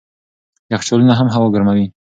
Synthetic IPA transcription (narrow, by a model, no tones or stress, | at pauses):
jaxt͡ʃolunaɦamɦawoɡəɾmawi